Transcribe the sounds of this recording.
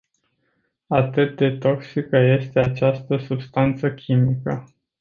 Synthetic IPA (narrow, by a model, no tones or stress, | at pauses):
at̪ɨt̪̚d̪e̞t̪o̞ksikəje̞st̪e̞at͡ʃast̪əsubst̪ant̪səkʲʰimikə